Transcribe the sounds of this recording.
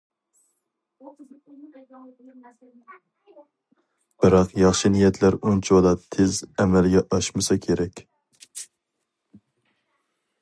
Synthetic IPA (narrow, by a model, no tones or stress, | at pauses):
b̥ɨɾɑqjɑχʃinijɛt̪ʰlæɾunt͡ʃʰud̪ɑt̪ʰezɛmɛlɡʲɛʔɑʃmɨsɑkʲʰeɾɛkʲ